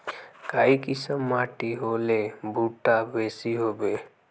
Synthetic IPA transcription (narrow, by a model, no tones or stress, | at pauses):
kaːikɪsəmːaːʈiɦolebʱuʈabeːsiɦoːbe